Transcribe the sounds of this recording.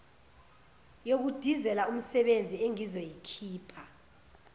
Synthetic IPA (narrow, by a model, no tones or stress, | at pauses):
jok̬ud̥ʱizɛlaum̩sɛɓend͡zʱieŋizɔjikʰiːpʰa